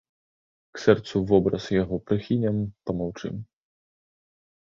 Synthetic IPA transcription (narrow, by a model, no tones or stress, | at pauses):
ksɛrt̪suvɔbɾɐsjaɣɔpɾɨxʲinʲɛmpɐmawt͡ʂɨ̰m